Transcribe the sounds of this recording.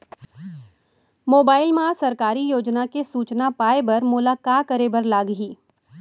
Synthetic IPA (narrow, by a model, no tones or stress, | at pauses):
moːbaːɪlmãsɐɾkaːɾijoːd͡ʒnakesuːt͡ʃnapaːebɐɾmʊlaːkaːkəɾebɐɾlaːɡɦiː